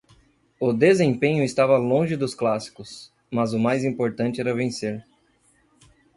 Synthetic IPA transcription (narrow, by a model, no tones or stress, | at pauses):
ʊd̪ezẽpẽɲʊɪst̪avɐlõʒɪd̪ʊsklasi̥kʊs | mɐzʊmajzĩmpoɾt̪ɐ̃t͡ʃɪɛɾɐvẽseɾ